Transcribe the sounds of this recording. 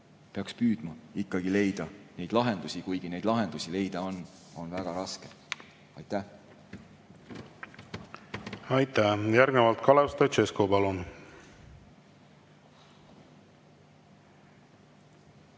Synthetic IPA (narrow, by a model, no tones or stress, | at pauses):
pe̞ɑkspyːd̪̥mɑikːɑɡ̥ile̞jd̪̥ɑne̞jd̪lɑɦend̪usʲikujɡ̥ine̞jd̪lɑɦe̞nd̪̥usʲile̞jd̪̥ɑo̞nː | o̞nvæɡ̥ɑɾɑske | ɑjt̪ˑːæh | ɑjt̪æjæɾɡnevɑlt̪̚kɑlewst̪ɑt͡ʃeskopɑlun